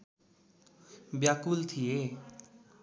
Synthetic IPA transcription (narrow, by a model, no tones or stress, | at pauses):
bjakult̪ʰije